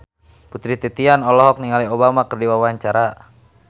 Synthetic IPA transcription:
put̪ɾit̪it̪ianɔlɔɦɔk̚niŋaliobamakərdiwawaɲt͡ʃaɾa

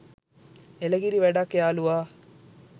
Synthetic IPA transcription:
elɐɡiɾiʋæɖakːejaːluʋaː

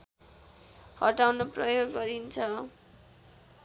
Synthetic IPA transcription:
hʌʈawnoprʌjoɡːʌɾint͡sʰʌ

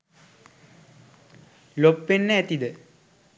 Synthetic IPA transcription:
lopːenːəæt̪id̪ə

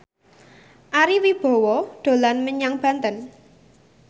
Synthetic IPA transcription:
ʔaɾiwib̥o̤wɔɖ̥o̤lanməɲaŋb̥ä̤nt̪ən

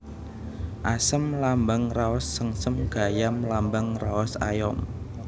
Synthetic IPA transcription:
ʔasəmlambaŋraɔsːəŋsəmɡ̥a̤jamlambəŋraɔsa̰jɔm

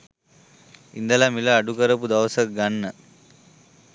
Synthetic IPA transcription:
ḭnd̪ɐlamilɐːɖukɐɾɐpud̪ɐʋsɐk̚ɡɐɳːɐ

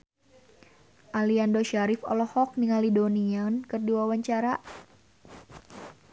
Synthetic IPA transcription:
ʔaliandoʃaɾɪfɔ̰lɔhɔk̚niŋalidoniankɨrdiwawaɲt͡ʃaɾa

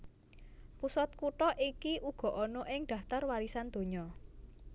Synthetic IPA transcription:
pusɔt̪̚kuʈɔʔikiʔuɡ̥ɔ̤ʔɔnɔʔɪŋɖ̪̥ä̤ft̪arwaɾisand̪̥o̤ɲɔ

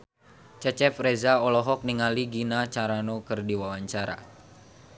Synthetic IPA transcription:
t͡ʃɛt͡ʃɛfrɛzaɔlɔɦɔk̚niŋaliɡinat͡ʃaɾanokɨrdiwawaɲt͡ʃaɾa̰

